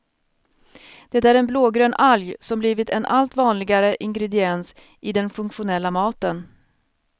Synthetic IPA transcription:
d̪̥ɛt̪æːɾɛnbloːɡɾøːnʔaljsɔmbliːvɪt̪ɛnʔalt̪vɑːnlɪɡaɾəʔɪŋɡɾɛd̪ɪɛns | ʔɪd̪ɛnfɵŋkɧʊnɛlːamɑːt̪ən

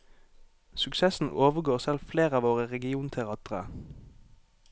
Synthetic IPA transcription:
sʉksɛsn̩oːʋəɡoːʁsɛlfleːʁəɑːʋoːʁəʁɛɡɪuːnt̪ʰɛʁɑːt̪ʁə̰

